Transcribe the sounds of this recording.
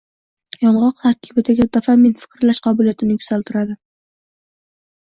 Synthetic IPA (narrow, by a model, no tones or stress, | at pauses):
jɒɴʁɑqt̪ʰaɾkʲʰɪbɪd̪aɡʲad̪afament̪fɪ̥kʲɾlaʃqʰɑbʊlijat̪ʰɪnɪjkʲʰʊ̥z̥alt̪ʰɪɾad̪ɪ